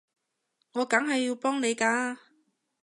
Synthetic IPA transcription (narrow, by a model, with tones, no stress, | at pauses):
ŋɔː˨˧kɐ˨˥ŋɦɐ˨jːiː˧wpɔː˥ŋne˨˧jkaː˧